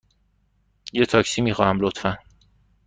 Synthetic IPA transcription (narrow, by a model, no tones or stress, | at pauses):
jet̪ʰɒcsimiːxɒːhæmlot̪fæn